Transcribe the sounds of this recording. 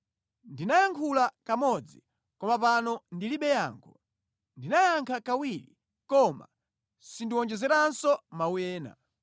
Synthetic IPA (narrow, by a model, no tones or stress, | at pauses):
ndinajaŋkʰulakamɔd͡zi | kɔmapanɔndiliɓɛja̰ːŋkʰɔ | ndinajaŋkʰakawili | kɔma̰ | sindiwɔnd͡ʒɛzɛɾansɔmawɛːna̰